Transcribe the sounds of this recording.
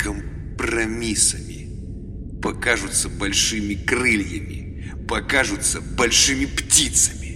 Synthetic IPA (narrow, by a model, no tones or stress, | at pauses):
kəm | prɐmʲisə̰mʲɪ̰ | pɐkaʐʊt̪səbɐlʲʂɨmʲɪkrɨlʲjəmʲɪ̰ | pɐkaʐʊt̪səbɐlʲʂɨmʲɪptʲit̪səmʲɪ